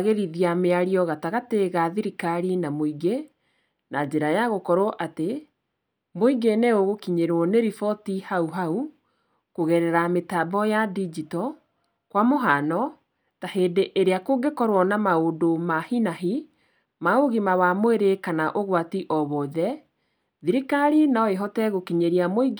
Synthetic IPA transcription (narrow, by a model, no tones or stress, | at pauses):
aɣeɾiðiameaɾiɔɣataɣateɣaðiɾikaɾinamoiɡe | nad͡ʑeɾajaɣokɔɾɔʔate | moiɡenɛoɣokiɲeɾwɔneɾifɔtihauɦau | koɣɛɾɛɾametabɔjadid͡ʒitɔ | kwamoɦanɔ | taheːdeʔeɾeakoɡekɔɾwɔnamaodomahinaɦi | maoɣimawamoeɾekanaʔoɣwatiʔɔβɔðɛ | ðiɾikaɾinaɔeɦɔtɛɣokiɲeɾiamoiɡ